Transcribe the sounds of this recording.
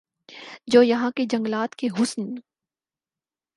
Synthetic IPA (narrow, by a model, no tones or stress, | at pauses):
d͡ʒoːjɐɦãked͡ʒɐ̃ŋɡlaːt̪keɦʊsn